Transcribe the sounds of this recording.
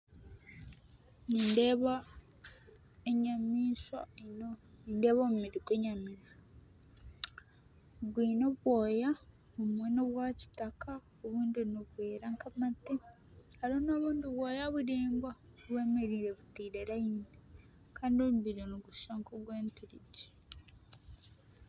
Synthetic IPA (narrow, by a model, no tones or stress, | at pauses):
niːndeβa | eɲamiːʃa̰nonindeːβomumiɾikwe̞ːɲamiːʃa | ɡwiːnoβwo̞ːja | omweːnoβwaːci̥taka | oβuːndiniβwe̞ːɾaŋkamati | haɾonoːβuːndiβwoːjaβuɾeːmbwa | βwe̞ːmeɾiːɾe̞βutiːɾeɾaiːnde | kaːndiomuβiɾoniɡuʃaŋkoɡwe̞ːntuɾiɟe̥